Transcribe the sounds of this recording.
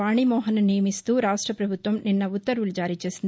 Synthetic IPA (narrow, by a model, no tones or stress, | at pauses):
aːɳimɔːɦɐnɐnijɐmist̪uːɾaːʂʈɾɐpɾɐbʱut̪ʋɐmninːɐut̪ːɐɾʋulud͡ʒaːɾiːt͡ʃe̞ːsind̪i